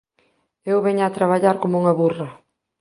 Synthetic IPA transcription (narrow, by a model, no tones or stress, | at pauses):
ewβɛɲaːt̪ɾaβaʎaɾkomuŋɐβurɐ